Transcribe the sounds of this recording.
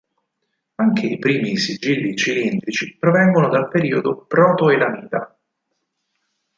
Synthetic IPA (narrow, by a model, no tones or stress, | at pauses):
aŋkʰeipɾiːmisid͡ʒilːit͡ʃilint̪ɾit͡ʃipɾovɛŋɡonod̪alpeɾiːod̪opɾɔːt̪oelamiːt̪a